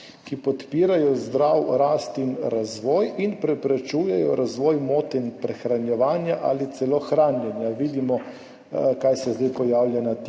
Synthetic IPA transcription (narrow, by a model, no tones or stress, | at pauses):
kipɔt̪piːɾajɔzd̪ɾawɾaːst̪inɾazʋɔːjinpɾɛpɾɛt͡ʃuːjɛjɔɾazʋɔːjmoːt̪ɛinpɾɛxɾanjɛʋaːnjaʔa̰lit̪sɛloxɾaːnjɛnjaʋiːd̪imɔ | kajsɛzd̪ajpɔjaːwlʲjanat̪